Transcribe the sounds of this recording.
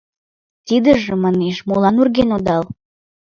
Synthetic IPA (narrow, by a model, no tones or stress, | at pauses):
t̪id̪əʒəmɑneʃmolɑnurɣenod̪ɑl